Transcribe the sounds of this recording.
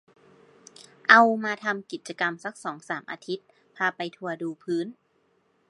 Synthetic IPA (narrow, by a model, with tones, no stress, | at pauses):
ʔa˧wmaː˧t̪ʰa˧mki˨˩t̪̚t͡ɕa˧ka˧msa˦˥k̚sɔː˩˦ŋsaː˩˦mʔa̰ː˧t̪ʰi˦˥t̪̚ | pʰaː˧pa˧jt̪ʰu˧ɐduː˧pʰɯː˦˥n